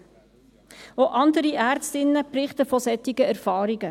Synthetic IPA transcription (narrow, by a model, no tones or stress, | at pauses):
oʔɑndəɾiʔærstɪnːəprɪχtəfɔsɛtɪɡ̥əærfɑːɾiɡ̥ə